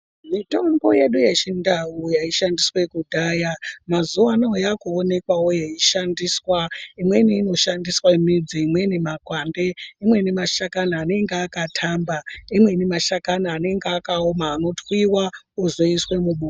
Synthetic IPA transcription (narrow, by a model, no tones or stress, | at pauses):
mito̞mboje̞ɗujet͡ʃindaujaiʃandiswe̞kudʱajamazuʋanaojakuone̞kwaojaiʃandiswaimweniːno̞ʃandiswemid͡ziːmwe̞nimakwaːnde̞imwe̞nimaʃakanaːne̞ŋɡeakatʰambaimwenimaʃakanaːne̞ŋɡakaomaːno̞tʰwiwauzoiswe̞muɓu